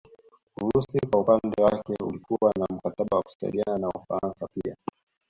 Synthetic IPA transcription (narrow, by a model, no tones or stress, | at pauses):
uɾusikwaupandɛwakɛṵlikuwanam̩kataɓawaku̥sa̰ḭliananaufa̰ɾansapia̰